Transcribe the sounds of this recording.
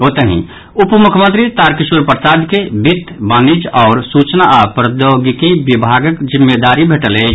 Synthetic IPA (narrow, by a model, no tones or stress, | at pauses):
ot̪əɦḭ̃ | ʊpmʊkʰəmənt̪ɾit̪aːɾkiʃuɾpɾəsaːd̪kebit̪baːnid͡ʒɔːɾsuːt͡ʃnaʔapɾəd̪oɡikibibʱaːɡəkd͡ʒɪmːed̪aːɾibʱeʈəle